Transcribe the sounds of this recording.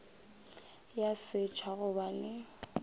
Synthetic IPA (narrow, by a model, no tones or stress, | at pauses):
jasɪt͡ʃʰaɣʊbalɪ